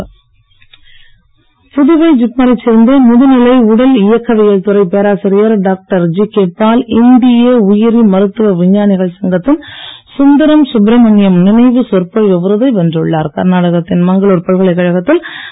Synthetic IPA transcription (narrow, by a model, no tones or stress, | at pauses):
pʊðʊʋɐɪd͡ʒɪpmɐɾɐt͡ʃːɪɾɯnd̪ɯmʊðɯnɪlɐɪʊɽɐlɪjɐkːɐʋɪjɐɻt̪ʊɾɐɪpeːɾaːsɐɾɪjɐɾɖaːk̚ʈɐɾd͡ʒikeːpːaːlɪnd̪ɪjeːʊjɪɾimɐɾɯt̪ːɯʋɐʋɪɲːaːnɪɣɐɭsɐŋɡɐt̪ːɪnsʊnd̪ɐɾɐmsʊbɾɐmɐɳɪjɐmnɪnɐɪʋɯsɔrpɐɭɔʋɐɾɯðɐɪʋɛndrɯɭːaːɾkɐ̰ɾnaːɽɐɣɐt̪ːɪnmɐŋɡɐɭɔːɾpɐɭɣɐɭɐɪkːɐɻɐɣɐt̪ːɪl